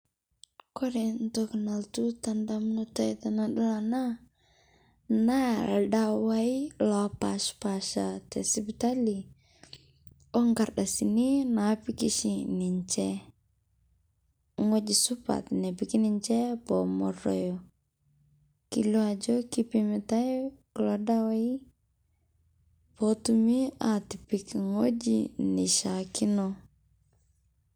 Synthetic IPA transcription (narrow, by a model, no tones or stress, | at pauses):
kɔɾint̪ɔkənalt̪ut̪andamnut̪ait̪anadalana | naldawailapaspaʃat̪ɛsibut̪ali | ɔŋkardasininapikisiniɲt͡ʃɛ | ŋod͡ʒisupa̰t̪nepikiniɲt͡ʃɛbomɔɾo̰jo | kḭluad͡ʒokipimitaiklodawai | botumiatipikŋod͡ʒḭniʃakino